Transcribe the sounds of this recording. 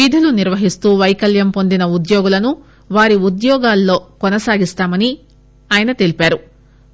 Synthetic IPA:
iːd̪ʱuluniɾʋɐɦist̪uːʋɐjkɐljɐmpo̞nd̪inɐud̪joːɡulɐnu | ʋaːɾiud̪jɔːɡaːlːo̞ːkɔnɐsaːɡist̪aːmɐni | aːjɐnɐt̪e̞lipaːɾu

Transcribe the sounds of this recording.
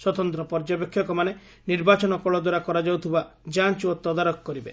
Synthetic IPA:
swɔt̪ɔnt̪ɾɔpɔɾd͡ʒapekʰːjɔkɔmane | niɾbat͡ʃɔnɔkɔɭɔd̪waɾakɔɾad͡ʒawt̪ʰibad͡ʒant͡ʃot̪ɔd̪aɾɔkɔkːɔɾibe

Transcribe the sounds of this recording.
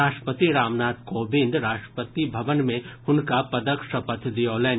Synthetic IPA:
aːʃʈə̥pət̪iɾaːmnaːt̪koːbɪ̃nd̪ʱɾaːʃʈɾə̥pət̪ibʱɐʋənmẽhʊnkapɐd̪əkʃəpət̪ʰd̪ioːlɛː

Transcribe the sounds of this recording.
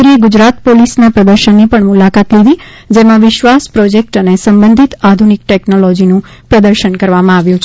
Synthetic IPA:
ɾieɡʊd͡ʒɾat̪polisnapɾəd̪əɾʃənːipəɳmʊlakat̪lid̪i | d͡ʒemãʋɪʃʋaspɾɔd͡ʒek̚ʈənesəmbənd̪ʱit̪ad̪ʱunik̚ʈɛknolɔd͡ʒinũpɾəd̪əɾʃənkəɾʋamãaʋjũt͡ʃʰ

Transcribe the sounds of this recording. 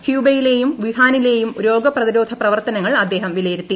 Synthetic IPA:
hjuːbɐjile̞ːjumʋiɦaːnile̞ːjumuɾo̞ːɡɐprɐðiɾo̞ːd̪ʱɐprɐʋɐrt̪ɐnɐŋːɐɭɐd̪ːe̞ːɦɐmʋilɐjiɾut̪ːi

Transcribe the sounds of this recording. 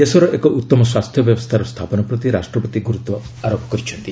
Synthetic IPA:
esɔɾɔʔekɔʔut̪ːɔmɔswast̪ʰjɔbjɔbɔst̪ʰaɾɔst̪ʰapɔnɔpɾɔt̪iɾasʈɾɔpɔt̪iɡuɾut̪ɔ | aɾopɔ̥kɔɾit͡ʃʰɔnt̪i

